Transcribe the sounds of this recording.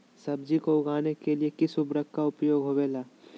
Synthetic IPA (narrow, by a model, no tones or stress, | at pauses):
sɐb̚d͡ʒikoʊɡʱaːnekeliekɪsʊbɾəkːkaʊpjoːɡɦoːeːlaː